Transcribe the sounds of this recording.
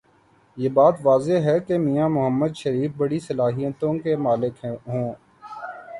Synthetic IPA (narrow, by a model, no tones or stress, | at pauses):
jeːbaːt̪ʋaːzeɦɛkemijamʊɦəmːəd̪ʃəɾiːfbəɽisəlaːɦijət̪õkemaːlɪkɦõː